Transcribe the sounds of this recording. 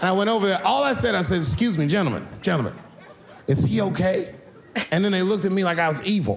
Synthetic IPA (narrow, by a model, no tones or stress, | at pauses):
ɨ̃ñaɪwɛ̃ɾ̃toʊvə˞ðəʔɔlˠaɪsɛɾaɪsɛɾɨkskjʉzmid͡ʒɛ̃tl̩ˠmə̰̃n̥d͡ʒɛ̃ntˡl̩ˠmə̰̃n | ɨtshioʊkʰeɪ | ɨ̃nðɨ̃nðeɪlʊk̚tɨt̚milaɪkaɪwʌzivl̩ˠ